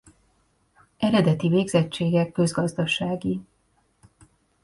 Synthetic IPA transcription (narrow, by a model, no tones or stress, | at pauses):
ʔɛɾɛd̪ɛt̪iveːɡzɛt͡ʃːeːɡɛkːø̞zɡɒzd̪ɒʃaːɡi